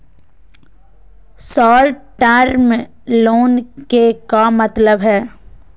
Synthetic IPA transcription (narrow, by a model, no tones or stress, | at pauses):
sɔːlʈʈəɾm | loːnkekamət̪ləbɦɛː